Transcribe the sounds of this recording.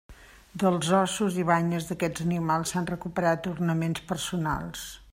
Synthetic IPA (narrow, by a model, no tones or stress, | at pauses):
d̪əlˠzɔsuziβaɲəzðəkɛd͡zənimalˠsːanrəkupəɾat̪urnəmenspərsuna̰lˠs